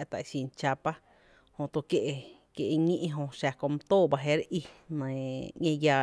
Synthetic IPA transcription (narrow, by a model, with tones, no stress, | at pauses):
t̪a̰˨ʃĩ˧˨nt͡ʃa˧pa˦ | hõ˧t̪o˧kje˧ʔe˧ | kje˧ʔɲĩ˦ʔɦõ˧ʃa˧kõ˧˨m˧t̪oː˦˨ba˧ɦe˧˦ɾʔi˧nã˧˨ɲẽ˧jaː˧